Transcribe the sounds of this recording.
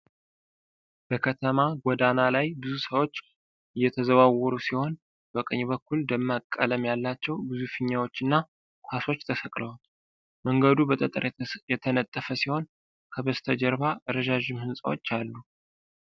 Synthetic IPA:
b̥əkʰət̪ʰəmaɡʷɔd̪analajbɨzusəwo̞t͡ʃː | ʔɨjːɛt̪ʰəzəβawɔɾusiho̞n | bəkʼəɲːbəkːuld̪əmːakʼːələmjalːat͡ʃːɛwbɨzufɨɲːawo̞t͡ʃːɨnːa | kʰaso̞t͡ʃːt̪ʰəsəkʼləwal | məŋɡəd̪ubət̪ʼət̪ʼəɾjɛt̪ʰənət̪ʼːəfəsiho̞n | kʰəbəst̪ʰəd͡ʒəɾβaɾəʒaʒɪmhɨnsʼa̰wo̰t͡ʃːalːu

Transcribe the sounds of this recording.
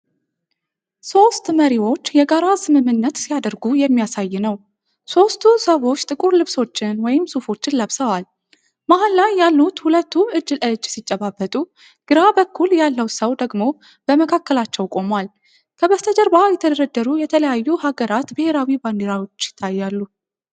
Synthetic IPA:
so̞st̪məɾiwo̞t͡ʃːjɛɡaɾasɨmɨmːɨnːət̪sijad̪əɾɡujɛmːijasajːɪnəw | so̞st̪ʰusəβo̞t͡ʃːt̪ʼɨkʼuɾlɨβso̞t͡ʃːɪnwɔjɪmsufo̞t͡ʃːɪnləβsəwal | mahalːajːalːut̪hulət̪ːuʔɨd͡ʒːɨlʔɨd͡ʒːsit͡ʃʼːəβabːət̪ʼu | ɡ̥ɨɾabəkʰːuljalːəwsəwd̪əɡmo̞ | b̥əməkʰakːəlat͡ʃːɛwkʼo̞mal | kʰəbəst̪ʰəd͡ʒəɾbajɛt̪ʰəd̪əɾəd̪ːəɾujɛt̪ʰələjajːuhaɡəɾat̪bɨhe̞ɾawibandeɾawo̞t͡ʃːjɪ̥t̪ʰːajːalːu

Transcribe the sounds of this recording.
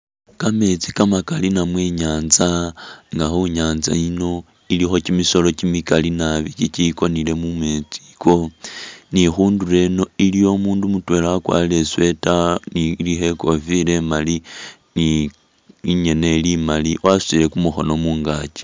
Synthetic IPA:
kame̞t͡sikamakalinamweɲaːnzaŋɡaxuɲaːnza̰ino̞ | ilixo̞kimiso̞lo̞kimikalinaβikit͡ʃiko̞nile̞mume̞t͡si̥ko̞nixuːndure̞no̞ilijo̞muːndumutwe̞ːlaːkwa̰le̞swe̞tanilixe̞ko̞file̞mali | ni | iɲe̞nelimaliwʔasile̞kumuxo̞no̞muːŋɡat͡ʃi̥

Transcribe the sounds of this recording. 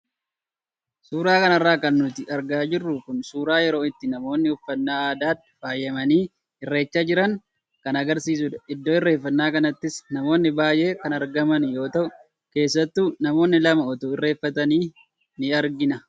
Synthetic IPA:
suːɾaːkɐnɐrːaːkɐnːʊt̪ɪʔɐɾɡaːd͡ʒɪrːʊkʊnsuːɾaːjɛɾo̞ːɪt̪ːɪnɐmo̞ːnːɪhʊfːɐnːaːaːd̪aːt̪ːɪ̥faːjːɐmɐniː | ɪrːe̞ːt͡ʃːaːd͡ʒɪɾɐŋ | kɐnɐɡɐɾsiːs̬ʊd̪ɐʔɪd̪ːo̞ːɪrːe̞ːfːɐnːaːkɐnɐt̪ːɪsnɐmo̞ːnːɪbaːjʔe̞ːkɐnɐɾɡɐmɐnjo̞ːt̪ɐʔʊ | ke̞ːsːɐt̪ːuːnɐmo̞ːnːɪlɐmɐɔt̪oːɪrːe̞ːfːɐt̪ɐniː | nɪɐɾɡɪnɐ

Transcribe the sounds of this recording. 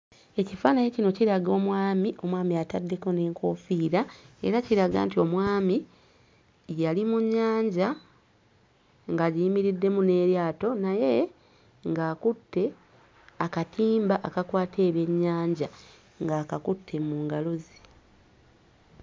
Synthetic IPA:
e̞cifaːnajecino̞ciɾaɡo̞ːmwaːmiʔo̞mwaːmiatadːe̞ko̞ne̞ːŋkʰo̞ːfiːɾae̞̰ɾaciɾaɡa̰ːntio̞mwaːmi | jalimuɲːaːɲɟa | ŋɡaɟiimiɾidːe̞mune̞ɾjaːto̞naje̞ | ŋɡaːkutːe̞ | akatʰiːmbaʔːkakwaːtʰe̞ːβe̞ɲːaːɲɟa | ŋɡaːkakutʰːe̞muːŋɡalozi

